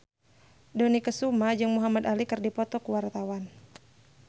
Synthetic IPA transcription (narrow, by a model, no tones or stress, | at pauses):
dɔnikəsumad͡ʒɨŋmuɦamad̪alikɨrdipɔt̪ɔkuwart̪awan